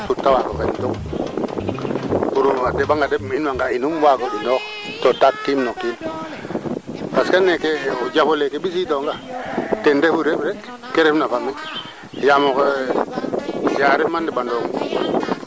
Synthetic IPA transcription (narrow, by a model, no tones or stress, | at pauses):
tutːawakokentuk | uɾuadebaŋɡadeinwaŋɡainumwakoinok | totakːimnokːim | paskanekeoɟafolekebis̬itoŋɡatendefuɾepɾek | keɾefnafami | jamok | jaɾimandibandoŋ